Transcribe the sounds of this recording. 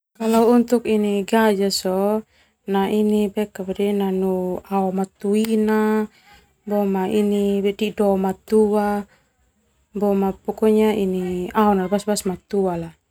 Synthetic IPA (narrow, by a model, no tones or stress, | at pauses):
kalaːnt̪ukiniɡad͡ʒasɔ | naʔinibɛkabɛdɛnanuaɔmat̪uina | bɔmainibɛdidɔmat̪ua | bɔmapɔkɔɲainiaɔnarbasbasmat̪uala